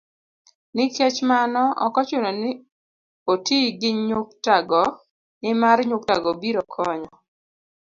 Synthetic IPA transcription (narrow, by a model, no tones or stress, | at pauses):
nɪket͡ʃmanɔɔ̰kɔt͡ʃʊnɔnɪ | otiɡɪɲʊk̚taɡɔ | nɪmarɲʊk̚taɡɔbiɾɔkʰɔɲɔ